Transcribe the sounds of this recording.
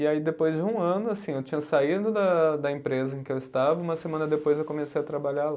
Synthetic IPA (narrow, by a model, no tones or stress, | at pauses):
iaid̪epojzd͡ʒɪũɐ̃nʊasĩewt͡ʃĩɲɐsaid̪ʊd̪ɐd̪ɐẽpɾezɐẽkɪewɪst̪avɐũmɐsemɐ̃nɐd̪epojzewkõmesejɐt̪ɾabaʎal